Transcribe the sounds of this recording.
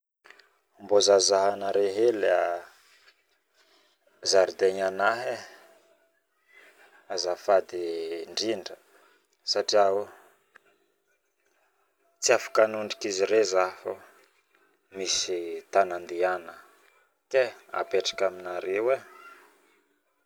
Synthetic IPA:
mbozazaɦanəɾeɦela | zaɾid̪eɲanaɦe | azafad̪iɳɖ͡ʐiɳɖ͡ʐə | saʈ͡ʂiao | t͡siafḁkanuɳɖ͡ʐi̥kiziɾezafo | misit̪anand̪ianə | k̪ea̰peʈ͡ʂḁkaminaɾewe

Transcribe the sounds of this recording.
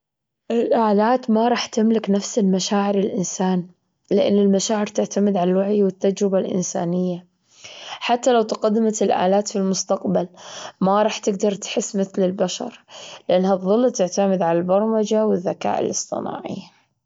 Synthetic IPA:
ʔɪlʔaːlaːt̪maɾˤɑːħt̪ɪmlɪknafsɪlmaʃaːʕɪɾɪlʔɪnsaːn | lɪʔa̰nːɪlmaʃaːʕɪɾt̪ɪʕt̪amɪd̪ʕalalwaʕjwɪt̪ːad͡ʒɾɪbalʔɪ̰nsa̰ːnɪjːa | ħat̪ːalawt̪ɪqad̪ːɪmat̪ɪlʔa̰ːlaːt̪filmʊst̪aqbalmaɾˤɑːħt̪ɪɡd̪ɑɾˤt̪ħɪsːmɪθlɪlbaʃɑ̰ɾˤlɪʔanːhaðˤːɨlːt̪ɪʕt̪amɪd̪ʕalalbɑɾˤɑmad͡ʒawɪðːaka̰ːʔɪ̰lɨsˤt̪ˤɨ̰na̰ːʕḭ

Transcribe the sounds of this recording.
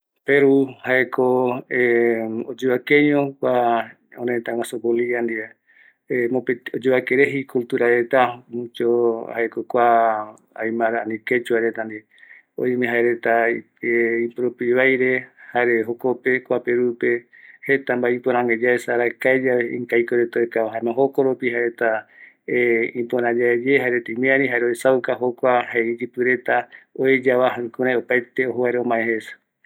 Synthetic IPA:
peɾuhaekʰo | od͡ʒeβakẽɲõkʷa | õɾet̪aw̃asopoliand̪ia | emopeod͡ʒeβakeɾeɦikult̪uɾaɾet̪aũt͡ʃohaekokʷa | a̰jmãɾaaniket͡ʃuaɾet̪and̪ia | õ̰ĩmẽɦaeɾet̪a | eipɾopiβajɾehaɾeɦokope̞kʷapeɾupe̞ | het̪ambaĩpoɾãŋɡed͡ʒaesaɾakaed͡ʒaβeḭ̃ŋkajkoɾet̪aekaaɦãemãɦokoɾopiɦaɾet̪a | ĩpoɾãd͡ʒaed͡ʒeɦaeɾet̪aimĩãɾĩɦaɾeoesawkaɦokʷahaeid͡ʒipɨɾe̞t̪aoed͡ʒaβaɦakũɾajopajt̪eoɦoβaɾeõmãehesḁ

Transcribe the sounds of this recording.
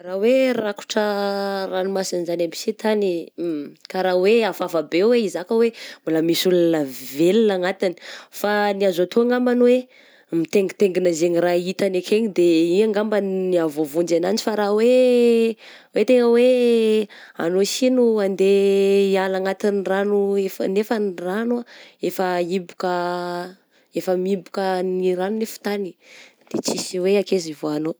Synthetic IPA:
raweraku̥ʈ͡ʂəranimasanizanampi̥set̪ani | kaɾaweafavabeweizakəwembuləmisulanəvelinaŋat̪ini̥faniazat̪ʰuaŋambanwe | mit̪eŋɡit̪eŋɡinazeɲirait̪anekʰeɲid̪eiɲaŋɡambanniavovund͡ʒanand͡ʒifaɾawe | wet̪eŋəwe | a̰nosinuand̪eialaŋat̪inranuefənefənranaefəibukə | efəmibukəniɾanunefu̥t̪ani̥d̪̥et͡sisiweakezivoano

